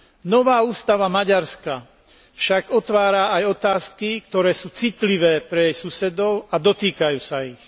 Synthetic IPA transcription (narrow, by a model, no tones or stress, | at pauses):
nɔʋaːuːst̪aʋamaɟaɾska | fʃaɡɔt̪ʋaːɾaajɔt̪aːskik̚t̪ɔɾɛːsuːt͡sit̪liʋɛːpɾɛjɛjsusɛd̪ɔʊad̪ɔt̪iːkajuːsaix